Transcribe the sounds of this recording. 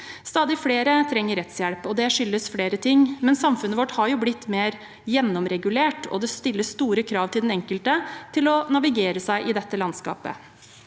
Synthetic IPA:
st̪ɑːd̪ɪfleːɾət̪ʰɾɛŋːəɾɛt̪sjɛlpɔd̪ɛʂʏlːəsfleːɾət̪ʰɪŋːmɛnsɑmfʉnəʋɔʈːhɑɾjʊblɪt̪ːmeːɾ | jɛnːɔmɾɛɡʉleːʈɔ̰d̪ɛst̪ɪlːəst̪uːɾəkʰɾɑːʋt̪ɪlɛnɛŋkəlt̪ət̪ʰɪlɔnɑʋɪɡeːɾəsæɪʔɪd̪ɛt̪ːəlɑnskɑ̰ːpə̰

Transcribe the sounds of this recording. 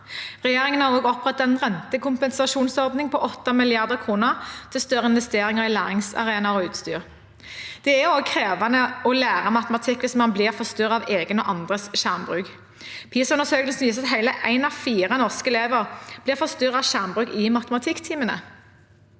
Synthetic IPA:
ʁɛjeːʁɪŋənhɑʁoːɡɔpʁɛt̪ːɛnʁɛnt̪əkʰʊmpɛnsɑʃuːnsɔʁd̪nɪŋpʰɔʔɔt̪ːɑmɪlɪɑʁd̪əʁkʰʁuːnəʁt̪ʰɪlst̪œʁəɪnʋɛst̪eːʁɪŋəʁɪlæːʁɪŋsɑ̰ʁeːnɑɔʉːt̪st̪y̰ːʁ | d̪̥ɛæoːɡ̚kʰʁeːʋɑnəɔlæːʁəmɑt̪əmɑt̪ʰɪkːʋɪsmɑnblɪʁfɔst̪yːʁɑʋeːɡənəʔɑnd̪ʁəsʃæʁmbʁʉːk | pʰiːsʉnəʁsøːkəlsn̩ʋiːsəɑt̪ɦæɪləʔæɪnɑʋfiːʁənɔʁskəɛleːʋəʁb̥lɪːʁfɔʁst̪yːʁɑʋʃæʁmbʁʉːkɪmɑt̪əmɑt̪ʰɪkt̪ʰiːmənə̰

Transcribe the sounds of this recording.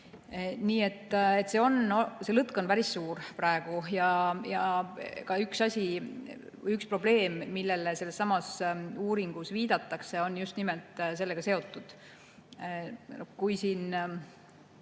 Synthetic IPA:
niːe̞t̪ːˑet̪ːˑse̞o̞nose̞lɤt̪ˑko̞npæɾisːuːrprɑeɡ̥ujɑjɑkɑyksɑsʲi | ykspro̞ble̞ːmːilːe̞lese̞lːesːɑmɑsuːɾiŋɡ̥usviːd̪̥ɑt̪ːˑɑkse̞o̞njust̪nimelt̪ˑs̬e̞lːe̞ɡɑse̞o̞t̪ːˑud̪̥ | nokujsiːn

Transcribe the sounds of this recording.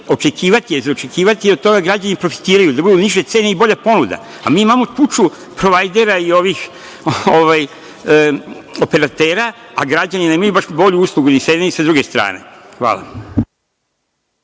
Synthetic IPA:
o̞t͡ʃe̞kiːʋat̪ijezaot͡ʃe̞kiːʋat̪ijeot̪o̞ɡaɡɾad͡ʑanipɾo̞fi̥t̪iːɾajud̪abud̪uniʒe̞t̪se̞ːne̞ibo̞ʎapo̞nud̪a̰ | amiːimamok̪ut͡ʃu | pɾo̞ʋajd̪e̞ɾaio̞ʋix | oʋaj | ope̞ɾat̪e̞ːɾaaɡɾad͡ʑaninemajubaʃbo̞ʎuuːslˠuɡuniseneisad̪ɾuɡe̞st̪ɾa̰ːne̞̰xʋa̰ːla̰

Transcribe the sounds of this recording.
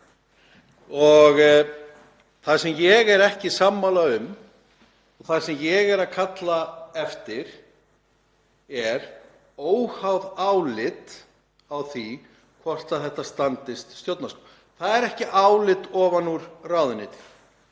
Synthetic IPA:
ɔɣ | θasɛmjɛɣɛɾɛhcɪsamːalaʏm | ɔɣθḁsɛmjɛɣɛɾaðkʰat̪laɛft̪ɪɾ̥ | ɛɾ | oːwhawðawlɪt̪ | awθi | kʰvɔr̥t̪aðθɛht̪ːast̪ant̪ɪst̪st̪jowt̪nasko | θaðɛɾɛhcɪʔawlɪt̪ɔːvanuɾrawðʏnɪt̪

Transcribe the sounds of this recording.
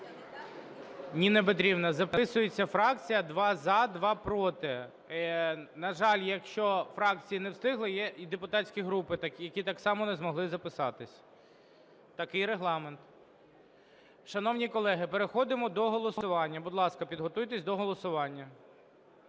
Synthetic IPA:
nʲinebɪt̪̬ɾʲiwnɐzɐpɪsʊjet͡sʲːɐfɾɑk̚t͡sʲijɐd̪ʋɑzɐd̪ʋɑpɾɔt̪ɪ | nɐʒɑlʲjɐkʃt͡ʃɔfɾɑk̚t͡sʲijinɛwst̪ɪɦlˠɪjɛʔid̪epʊt̪ɑt͡sʲsʲkʲiɦɾupɪt̪kjɐkʲit̪ɑksɑmɔnezmɔɦlˠɪzɐpɪsɑt̪ɪsʲ | t̪ɐkɪjɾeɦlˠɑment̪ | ʃɐnɔwnʲikɔlˠɛɦɪpeɾexɔd̪ɪmɔd̪ɔɦɔlˠɔsʊʋɑnʲːɐbʊd̪lˠɑskɐpʲid̪ɦɔt̪ujt̪esʲd̪ɔɦɔlˠɔsʊʋɑnʲːɐ

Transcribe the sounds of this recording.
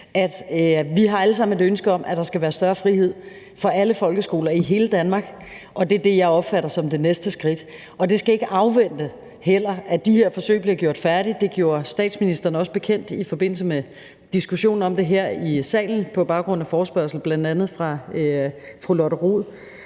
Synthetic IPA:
ʔæd̥ʋiɦɑ̈æləsɑ̈m̰n̩e̝dønsɡ̥əɒ̽mʔæd̥ɑ̈sɡ̥æʋæːɐsd̥ɶɐfʁihe̝ð̞̰ˠ | fɒ̽ʔæləfɒ̽lɡ̥əsɡ̥o̝̰ːlɐiɦe̝ːləd̥ænmɑ̈ːɡ̥ | ʔɒ̽d̥e̝ɐd̥e̝jɑ̈ɪɒ̽b̥fæɾɐsɒ̽md̥e̝nesd̥əsɡ̥ʁid̥ | ɒ̽d̥e̝sɡ̥æe̝ɡ̥əʔɑ̈ʊʋen̰d̥ə | hel̰ɐæd̥ihe̝ɐ̰fɒ̽sø̰ɪbliɐɡjo̝ɐ̰d̥fæɐɾ̥id̥e̝ɡ̥jo̝ːɐsd̥ɛ̰ːd̥sminisd̥ʁɐnəɒ̽səb̥e̝kʰen̰d̥ifɒ̽b̥e̝n̰l̩s̬əme | d̥isɡ̥uɕo̝̰ːn̩ɒ̽md̥e̝ɦeɐ̰isɛ̰ːln̩pʰɒ̽b̥ɑ̈ʊɡ̥ʁɔ̽n̰æfɒːsb̥ɶɐsl̩b̥læn̰d̥ænð̩ˠfʁɑ̈ | fʁulɒɾəʁoðˠ

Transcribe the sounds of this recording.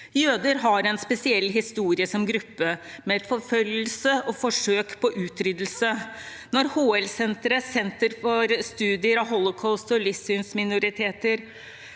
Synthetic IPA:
jøːd̪əɾɦɑɾɛnspɛsɪɛlːɦɪst̪uːɾɪəsɔmɡɾʉpːəmɛɛt̪fɔɾfœlːəlsəɔfɔʂøːkpʰɔʔʉːt̪ʰɾʏd̪əl̩sə | nɔɾhoːɛlsɛnt̪ɾəsɛnt̪əɾfɔɾst̪ʉːd̪ɪəɾɑʋɦɔlɔkʰɔʊst̪ɔlɪsʉnsmɪnʊɾɪt̪ʰeːt̪əɾ

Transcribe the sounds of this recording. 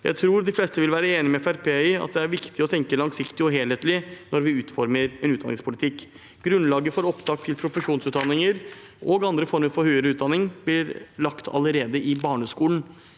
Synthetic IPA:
jæ̰ɪt̪ʰɾuːɾd̪ɪflɛst̪əʋɪlʋæːɾəeːnɪmɛfæɾpʰeːɑ̰t̪̚d̪ɛæɾʋɪkt̪ɪɔt̪ʰɛŋkəlɑŋsɪkt̪ɪɔɦeːlheːt̪lɪnɔɾʋɪʉːt̪fɔɾməɾɛnʉːt̪d̪ɑ̰nːɪ̰̃ŋspʰʊlɪt̪ʰɪkː | ɡ̥ɾʉnlɑːɡəfoːɾɔpd̪ɑːk̚t̪ʰːɪlpʰɾʊfəʂuːnsʉːt̪d̪ɑnːɪŋəɾ | ʔɔɡɑnd̪ɾəfɔɾməɾfɔɾhœʏəɾəʉːt̪d̪ɑnːɪŋb̥lɪɾlɑkt̪ʰɑ̰ləɾeːd̪əʔɪbɑːɳəskuːln̩

